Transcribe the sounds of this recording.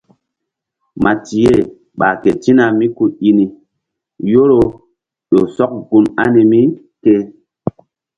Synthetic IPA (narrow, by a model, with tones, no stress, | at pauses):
ma˨ti˨je˦˨ | ɓa̰˨ke˨ti˦na˨mi˦ku˦i˦ni˨ | jo˦ɾo˨ | ɗo˨sɔ˦k̚ɡu˨ma̰˦ni˨mi˦ | ke˦